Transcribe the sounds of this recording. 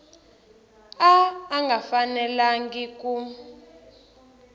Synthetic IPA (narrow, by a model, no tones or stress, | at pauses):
aːŋɡʱafanɛlaŋɡik̬ʼu